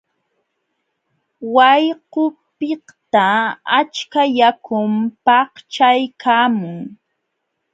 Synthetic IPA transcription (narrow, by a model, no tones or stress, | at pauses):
wajqʊpɪht̪aat͡ʃkajakʊmpɑht͡ʃajkʰaːmʊŋ